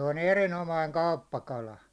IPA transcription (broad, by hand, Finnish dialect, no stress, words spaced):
on erinomɑiŋ kɑupːɑkɑlɑ